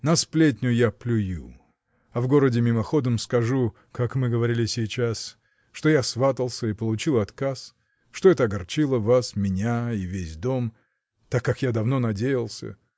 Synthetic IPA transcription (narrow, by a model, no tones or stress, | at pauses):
nɐsplʲetʲnʲʊjaplʲʊjṵ | ɐvɡo̞ɾədʲɪmʲɪmɐxo̞d̪əmskɐʐu | kakmɨɡəvɐɾʲilʲɪsʲɪjt͡ɕas | ʂt̪o̞jasvat̪əlˠsʲəipəlˠʊt͡ɕilˠɐt̪kas | ʂt̪o̞ɛt̪əɐɡɐrt͡ɕilˠəvasmʲɪnʲaivʲesʲd̪o̞m | t̪akːakjad̪ɐvno̞nɐdʲejɪlˠsʲə̰